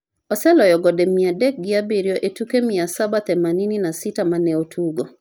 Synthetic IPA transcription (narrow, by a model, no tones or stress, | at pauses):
ɔsɛlɔjɔɡɔdɛmiadɛk̚ɡiabiɾjɔʔetukemiasabat̪ɛmanininasitamanɛotʰuɡo